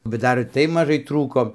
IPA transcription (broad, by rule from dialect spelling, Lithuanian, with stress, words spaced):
bʲɛt ˈdɐr ɪr ˈtɐɪ mɐˈʒɐɪ ˈtruːkoː